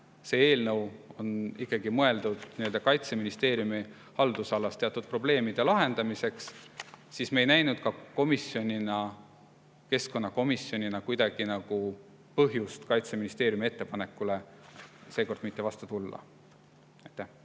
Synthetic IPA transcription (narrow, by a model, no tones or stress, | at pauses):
se̞ːe̞ːlnɤwo̞nikːˑɑɡ̥imɤe̞ld̪ud̪̥niø̞ld̪ɑkɑjt̪se̞minist̪e̞ːɾjumi | hɑld̪̥usɑlːɑst̪e̞ɑt̪ːud̪̥̚pro̞b̥le̞ːmid̪̥e̞lɑɦe̞nd̪ɑmise̞kssismeejnæjnud̪̥̚kɑko̞misjo̞nʲinɑ | ke̞sko̞nːɑko̞misjo̞nʲinɑkujd̪̥ɑɡ̥inɑɡ̥u | pɤɦjust̪kɑjt̪seminist̪e̞ːɾjumie̞t̪ːe̞pɑne̞kːˑule̞ | se̞ːko̞rd̪mit̪ːˑe̞vɑst̪ut̪ulːɑ̰ | ɑjt̪ːæh